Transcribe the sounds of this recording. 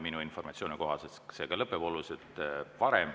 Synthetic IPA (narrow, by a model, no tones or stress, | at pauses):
minuinfo̞rmɑt̪sioːniko̞ɦɑsest̪se̞ːɡɑlɤpːˑebo̞luset̪ˑvɑɾem